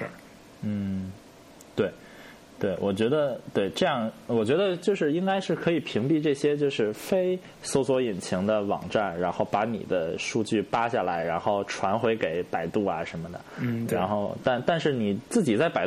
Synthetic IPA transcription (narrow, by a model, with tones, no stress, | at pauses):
n̩˥˩ | t̪we˥˩ɪ | t̪we˥˩ɪwʔɔ˨˩t͡ɕɥɛ˧˥d̪ə˧t̪we˥˩ɪʈ͡ʂɤ˥˧jɑ˥˩ŋwɔ˨˩t͡ɕɥɛ˧˥d̪ə˧t͡ɕjo˥˧ʊʂɻ̩˥˩i˥ŋka˥ɪʂɻ̩˥˩kʰɤ˧˥i˨˩pʰi˧˥ŋpi˥˧ʈ͡ʂɤ˥˩ɕjɛ˥t͡ɕjo˥˧ʊʂɻ̩˥˩fe˥ɪ | so˧˥ʊswɔ˧˥i˨˩nt͡ɕʰi˧˥ŋd̪ə˧wɑ̰˨˩ŋʈ͡ʂa˥˩nɻa˧˥nxo˥˩ʊpa˧˥nḭ˨˩d̪ə˦ʂu˥˧t͡ɕy˥˩pa˥ɕja˥˩la̰˧˥ɪɻa˧˥nxo˥˩ʊʈ͡ʂʰwa˧˥nxwe˧˥ɪke˨˩˥ɪpa˨˩ɪt̪u˥˩ɐ̰˩ʂə˧˥mə˧d̪ə̰˩ɻa˧˥nxo˥˧ʊt̪a˥˧nt̪a˥˧nʂɻ̩˥˩ni˨˩t͡sɹ̩˥˩t͡ɕi˨˩t͡sa˥˩ɪpa˨˩ɪ